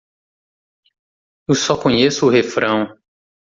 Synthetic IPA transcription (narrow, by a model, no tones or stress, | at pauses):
ewsɔkõɲesʊːhefɾɐ̃w̃